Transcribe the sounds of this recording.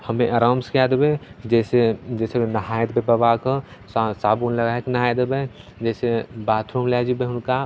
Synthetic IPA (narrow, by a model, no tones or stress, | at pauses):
həmẽʔɐɾaːmskad̪bed͡ʒɛːsed͡ʒɛːseenɐɦaːjt̪bebəbakə | ssaːbunləɡaːknɐɦaːjd̪be | d͡ʒɛːsebaːt̪ʰɾomlad͡ʒibeɦʊnka